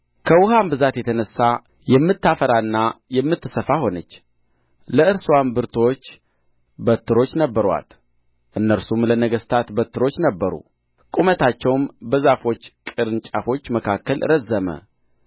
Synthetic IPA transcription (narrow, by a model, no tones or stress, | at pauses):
kʰəwʊhambɨzat̪jɛt̪ʰənəsːa | jɛmːɨt̪ːafəɾaɨnːajɛmːɨt̪ːɨsəfaho̞nət͡ʃː | ləɨɾswambɨɾt̪ʰo̞t͡ʃː | bət̪ʰːɨɾo̞t͡ʃːnəbːəɾwa̰t̪ | ʔɨnːəɾsumlənəɡəst̪ʰat̪bət̪ʰːɨɾo̞t͡ʃːnəbːəɾṵ | kʼumət̪ʰat͡ʃːɛwmbəzafo̞t͡ʃːkʼɨɾɨnt͡ʃʼafo̞t͡ʃːməkʰakːəlʔɨ̰ɾəzːəmə̰